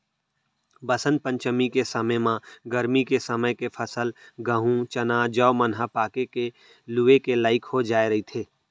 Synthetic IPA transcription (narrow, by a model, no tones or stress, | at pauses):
bəsə̃nd̪̚pə̃ɲt͡ʃəmikesəməmãɡəɾmikesəməjkepʰəsəlɡəɦũt͡ʃɐnaːd͡ʒɔːmənɦəpaːkeke | luekelaːɪkɦod͡ʒaːeɾɐɦit̪ʰeː